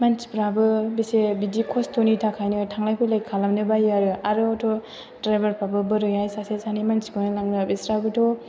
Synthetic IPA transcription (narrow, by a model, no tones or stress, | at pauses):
mansi̥pɾabɯbisebidikʰɔstʰonitʰakʰajnɯtʰaŋlajpʰɯlajkʰalamnɯbajaɾɯaɾɯɔtʰo | dɾajbaɾpʰabɯbɯɾɯjajsasesanimansiɡonalaŋnɯbisɾabɯtʰo